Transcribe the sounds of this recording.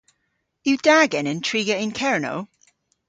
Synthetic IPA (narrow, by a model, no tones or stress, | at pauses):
jɨd̥aɡɨ̃nɪ̃ntʰɹ̥iːɡəɪ̃nkʰɛɹno̰ʊ